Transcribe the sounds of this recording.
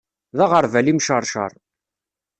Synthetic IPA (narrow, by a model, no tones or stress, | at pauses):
ðaʁəɾˤvælimʃəɾˤʃə̰ɾˤ